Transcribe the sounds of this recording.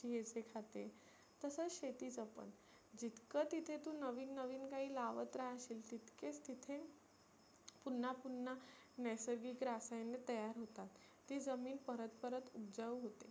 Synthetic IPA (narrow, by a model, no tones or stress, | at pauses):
iɦet͡sekʰat̪e | t̪əsət͡sɕet̪iːt͡səpə̰n | d͡ʑit̪kət̪it̪ʰet̪ũnəʋiːnːəʋiːnkaɦiːlaʋət̪ɾaɦəɕiːlt̪it̪ket͡st̪it̪ʰe | punːapunːa | nɛsəɾɡiːkɾasajnːet̪əjaɾɦot̪at̪ː | iːd͡zəmiːnpəɾət̪pəɾət̪ub̚d͡zaʋuɦot̪e